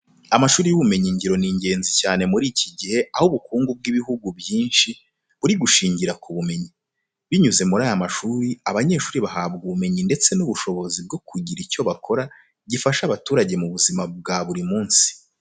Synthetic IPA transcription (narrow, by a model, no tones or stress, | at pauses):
amaʃuːɾijuβume̞ɲiɲɟiɾo̞niːɲɟe̞ːnzicaːne̞muɾiːciɟihe̞ʔahuβukuːŋɡub̚ɡiβiɦuɡubjiːnʃi | βuɾiɡuʃiːɲɟiɾakʰuβume̞ɲi | βiɲuze̞muɾaːjamaʃuːɾiaβaɲe̞ːʃuːɾiβaɦabɡuβume̞ɲinde̞t͡se̞nuβuʃo̞βo̞zib̚ɡo̞kʰuɟiɾico̞βakʰo̞ɾa | ɟifaʃaβatuːɾaɟe̞muβuzimab̚ɡaβuɾimuːnsi̥